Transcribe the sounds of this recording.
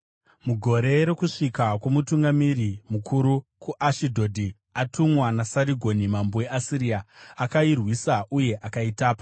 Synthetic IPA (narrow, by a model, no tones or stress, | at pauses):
muɡʱo̞ɾe̞ɾe̞kuʂikakwomutuŋɡamiɾimukʰuɾukuʔaʃidʱo̞dʱi | atumwanasaɾiɡʱo̞nimamboe̞ʔasiɾiaːkairwisaʔuje̞ʔakaitaːpo